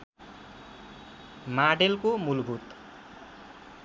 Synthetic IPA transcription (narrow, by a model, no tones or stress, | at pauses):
maɖelkomulbʱut̪